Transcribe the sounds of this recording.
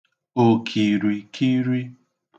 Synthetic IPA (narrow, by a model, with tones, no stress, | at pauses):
o˨kʰi˨ɾi˨kʰi˦ɾi˦